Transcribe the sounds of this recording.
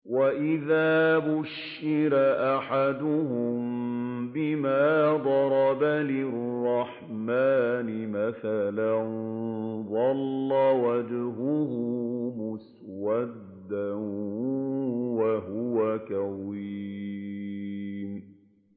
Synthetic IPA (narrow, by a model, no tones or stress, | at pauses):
waʔɪðaːbʊʃːɪɾaʔaħad̪ʊɦʊmbɪmaːd̪ˤɑɾˤɑbalɪrrrːɑħ | maːnɪmaθalan | ðˤɑlːɑwad͡ʒɦʊɦʊmʊs | wad̪ːan | waɦʊwakawiː | m